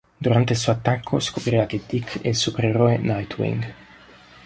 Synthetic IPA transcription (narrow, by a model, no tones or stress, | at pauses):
d̪uɾant̪elsoat̪ːakʰːoskopɾiaked̪ikʰḛlsupɾeroenajt̪ʰwḭŋɡ